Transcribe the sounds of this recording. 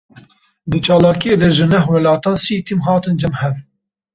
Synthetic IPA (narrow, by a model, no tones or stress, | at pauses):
d̪ɨt͡ʃɑːlɑːkijeːd̪ɛʒɨnɛɦwɛlɑːt̪ɑːnsiːt̪ʰimɦɑːt̪ɨnd͡ʒɛmhɛv